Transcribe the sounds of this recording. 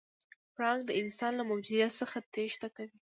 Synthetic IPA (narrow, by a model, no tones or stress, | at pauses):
pɾɑŋɡ̚d̪əɪnsɑnlamawd͡ʒuzjat̪səxat̪eʃt̪akawi